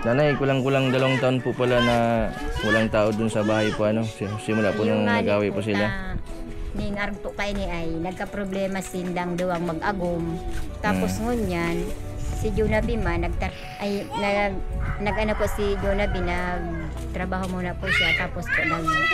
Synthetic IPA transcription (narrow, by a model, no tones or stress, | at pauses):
nanajkʊlaŋkʊlaŋd̪ɐlawaŋt̪ɐʔonpʊʔpɐlanɐwɐlaŋt̪aːʔod̪ʊnsɐbaːhajpoʔɐno̞sɪmʊlaʔpʊnaŋɐɡɡaːwɪpʊs̬ɪla | nɪŋaɾɡ̚pʊʔkɐʔɪnɪʔajnɐɡ̚kɐpɾoblɛːmasɪnlaŋd̪ɐwaŋmɐɡʔɐɡʊmt̪aːposŋʊɲansɪd͡ʒunɐbɪmanːɐɡ̚t̪ | ʔajnɐɡnɐɡʔɐnopʊʔsɪd͡ʒonɐbɪnɐɡ̚ | t̪ɾɐbaːɦomʊnɐpʊʔʃat̪aːpospʊʔnɐɡ